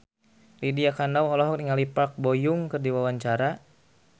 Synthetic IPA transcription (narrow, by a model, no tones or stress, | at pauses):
lidiakanawɔlɔɦɔk̚niŋalipak̚bɔjʊŋkɨrdiwawaɲt͡ʃaɾa